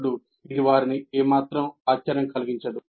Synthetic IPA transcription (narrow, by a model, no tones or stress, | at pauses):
ɽu | id̪iʋaːɾiniʔeːmaːt̪ɾɐmaːt͡ʃt͡ʃɐɾɐŋkɐliɡiɲt͡ʃɐd̪u